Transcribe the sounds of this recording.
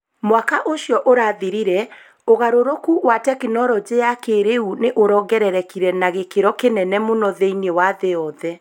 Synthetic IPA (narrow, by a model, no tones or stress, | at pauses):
mwakaʔoɕjɔʔoɾaːðiɾiɾɛ | oɣaɾoɾokuwatɛkenɔɾɔd͡ʑeakeɾeuneʔoɾɔːɡɛɾɛɾɛkiɾɛnaɣekeɾɔkenɛnɛmonɔðeinewaðeɔðɛ